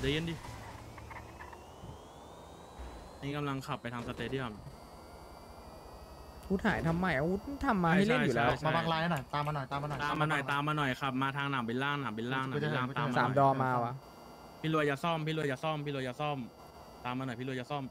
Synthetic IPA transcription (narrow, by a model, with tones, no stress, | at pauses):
da˧˩˦je˧˥˩diː˧˩˧ | niː˦˥ka˧mla˧ŋkʰa˨˩pːjt̪ʰa˧sa˧t̪eː˧di˥˩ɐm | hu˦˥t̪̚hʰaː˨˩˦jt̪ʰa˧mːa˨˩jʔa˧wu˦˥t̪̚t̪ʰa˧˩mːaː˧a˥˩˨lea˥˩ju˨lɛː˦˥t͡ɕma˧˥˩baː˧ŋlaː˧˥ja˧˩nɔ˨˩jt̪aː˧ma˧nɔ˨˩jt̪aː˧ma˧nɔ˨˩t̪aː˧mːaː˧nɔ˨˩jt̪aː˧mːaː˧nɔ˨˩jkʰa˦˥˩p̚maː˧t̪ʰaː˧ŋnaː˩˦mbi˧nlaː˥˩ŋnaː˩˦mbi˧nlaː˧˥˩ŋna˨˧˦laː˧˥˩t̪ːmaː˧aː˨m˩dɔː˧maː˧waː˧˩ | pʰiː˥˧lu˧əja˨˩sɔ˥˩mpʰiː˧lu˧əjaː˨˩sɔ˥˩mpʰiː˥˧lu˧jaː˨˩sɔ˥˩m | t̪aː˧mːaː˧nɔ˨˩jpʰiː˥˧lu˧ja˨˩sɔ˥˩m